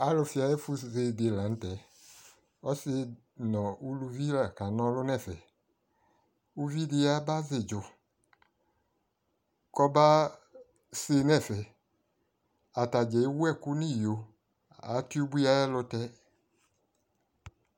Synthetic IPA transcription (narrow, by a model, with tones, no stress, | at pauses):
a˨˦lʊ˧fi˧a˧jɛ˦fu˧ze˧de˧˨la˨n̩˦tɛ˨˦ | ɔ˦se˧ | nɔ̃˨u˧lu˧vi˦la˨ka˨nɔ̃˧lʊ˦nɛ˦˨fɛ˨ | u˧vi˦di˧a˧˦ba˦ze˨d͡ʒʊ˧ | kɔ˧ba˦ | se˧nɛ˦˨fɛ˨ | a˨ta˨d͡ʒɛ˨i˦wu˦ɛ˦˨ku˦nĩ˦˨jo˨ | a̰˨˦ti˦u˦bu˦a˧jɛ˦lʊ˧tɛ˧˦